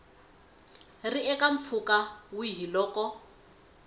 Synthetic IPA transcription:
riɛkaɱ̩p̪fʰukawuɦilɔːkɔ

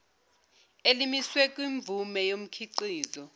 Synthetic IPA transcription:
elimiswɛk̬ʼwiɱb̪vʱumɛjom̩kʰiǃiːzɔ

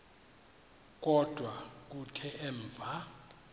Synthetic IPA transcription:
k̬ʼɔd̥ʱwak̬utʰɛʔɛːɱvʱa

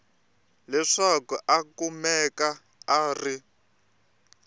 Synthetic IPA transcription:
lɛʂakuʔakumɛka | aːri

